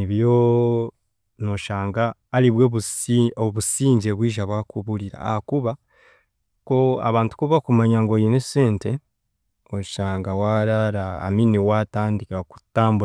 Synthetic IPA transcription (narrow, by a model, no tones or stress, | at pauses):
niβjo | noʃaːŋɡaːliβwoβoβusiːɲɟeβwiːʒaβwakuβuɾiɾa̰a̰hakuβa | ko̞a̰βaːntu̥kuβakumaɲaŋɡo̞jineseːnte | oʃaːŋɡawaɾaɾa̰ːminiwataːndikaku̥taːmbua